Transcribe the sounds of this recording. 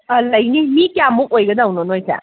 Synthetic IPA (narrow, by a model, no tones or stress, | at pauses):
alɐjnimikjamuk̚ojɡɐdɐwnonojsa̰